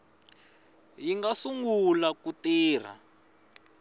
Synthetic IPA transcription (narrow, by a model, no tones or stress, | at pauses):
jiŋɡasuŋɡulakutiːr̤a̰